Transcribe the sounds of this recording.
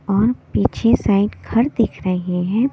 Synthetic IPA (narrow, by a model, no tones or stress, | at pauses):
ɔːɾpiːt͡ʃʰesaːɪɖkʰɐɾd̪ɪkʰɾəɦeɦẽɦɛ̃ː